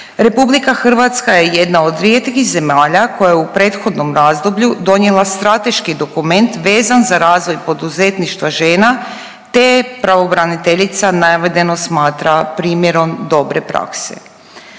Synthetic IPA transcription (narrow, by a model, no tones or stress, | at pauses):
ɾe̞publikaxr̩ʋat̪skaje̞je̞d̪naod̪ʋɾjet̪kize̞maːʎako̞jajeupɾe̞ːt̪xo̞d̪no̞mɾazd̪o̞bʎud̪o̞ɲjelˠast̪ɾat̪e̞ʃkid̪o̞kume̞nt̪ʋe̞ːzanzaɾaːzʋo̞jpo̞d̪uze̞t̪niʃt̪ʋaʒe̞ːna | t̪e̞pɾaʋo̞bɾanit̪e̞ʎit̪sanaʋed̪e̞no̞smaːt̪ɾapɾiːmjeɾo̞md̪o̞bɾe̞pɾa̰kse̞̰